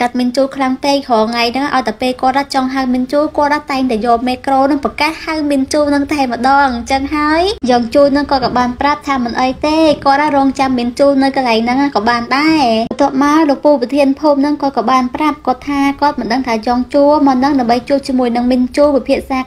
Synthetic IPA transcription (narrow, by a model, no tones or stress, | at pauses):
kat̪̚miənt͡ɕuːlkʰlaŋt̪eːkʰɑːŋajnɨŋʔaɔjt̪aəpeːlkŏət̪ʔat͡ɕɑŋɦawmiənt͡ɕuːlkŏət̪ʔat̪aɛŋt̪aɛjɔːlmeːkroːnɨŋpɔkat̪hawmiənt͡ɕuːlnɨŋt̪aɛmə̆ɗɑːŋt͡ɕəŋɦaəjjɑːŋt͡ɕuːlnɨŋkɑːkɑːɓaːnprap̚t̪ʰaːmɨnʔəjt̪eːkŏət̪̚ʔarɔːŋt͡ɕamːiənt͡ɕuːlnɨwkɑlaɛŋnɨŋakɑːɓaːnɗaɛət̪ːŏəp̚maəlopuːpt̪ʰiənpʰuːmnɨŋkɑːkɑːɓaːnprap̚kŏət̪ʰːaːkŏət̪̚mɨnɗəŋt̪ʰaːjɑːŋt͡ɕuəlmɑːnɨŋɗaəmɓəjt͡ɕuəlt͡ɕiəmuəjnɨŋmiənt͡ɕuːlpipʰiəʔsaː